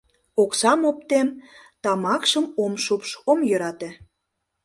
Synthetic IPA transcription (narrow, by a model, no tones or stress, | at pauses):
oksɑmop̚t̪em | t̪ɑmɑkʃəmomʃupʃomjø̆ɾɑt̪e